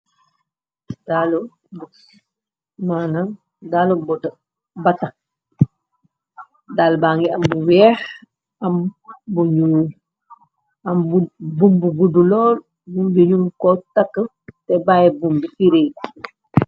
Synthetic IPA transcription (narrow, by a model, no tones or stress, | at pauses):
d̥alo | b | manaŋ | dalobɔdə | bata | daːlbaŋɡiambuwɛːx | ambuɲuː | ambubumbuɡudulɔːl | bumbiɲumkɔtakːə | tɛbajebumbifiɾe